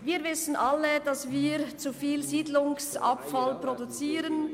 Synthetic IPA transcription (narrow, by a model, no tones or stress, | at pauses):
viːɾvɪsən̩ʔalːəd̥ɑsviːɾt͡sufiːlziːdlʊŋsa̰pfalprodut͡siːɾən